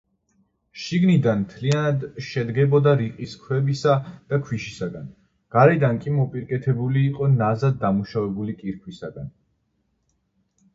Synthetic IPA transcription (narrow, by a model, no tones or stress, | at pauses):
ʃiɡnid̪anmt̪ʰlianad̪ʃɛd̪ɡɛbɔd̪aɾiqʼiskʰwɛbisad̪̥akʰwiʃisaɡan | ɡ̥aɾɛd̪ankʼimɔpʼiɾkʼɛt̪ʰɛbuliːqʼɔnazad̪̚ːamuʃavɛbulikʼiɾkʰwisaɡan